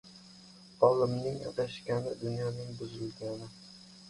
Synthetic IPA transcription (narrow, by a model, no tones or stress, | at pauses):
ɒlɪmnɪŋɑ̰t̪aʃkʲanɪd̪ʊnjɒnɪŋbʊzɪlɡʲanɪ